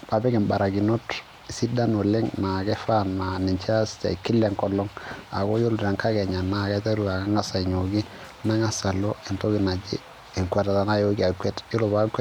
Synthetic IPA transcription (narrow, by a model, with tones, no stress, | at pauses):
pa˨bɛ˦kɛ˨mba˨ɾa˨ɡi˨no˦t | si˦da˦no˨lɛ˦ŋna˨ɡɛ˦fa˦nma˨ni˨ɲt͡ʃa˦sta̰˨kɪ˦lɛ˨ŋkɔ˨lɔ˦ŋa̰˨ko˦jo˦lɾa˨ŋka˦kɛ˨ɲa˨na˨ɡɛ˦ta˦ɾu˨a˨ka˦ŋa˦sa˨i˨ɲo˨ɡi˦ | na˦ŋa˦sa˨lɔ˦e˨nto˦ɡɪ˨na˨d͡ʒi˦ | e˨ŋkwa˨ta˨ta˨na˦jo˦ɡi˦a˨kwɛ˦tɪ˦lo˨ba˦kwɛ˦